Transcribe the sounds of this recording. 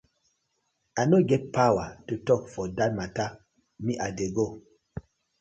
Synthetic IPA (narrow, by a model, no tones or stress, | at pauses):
anoɡɛt̚pʰawatutɔkfɔdat̚mata | miʔadeɡo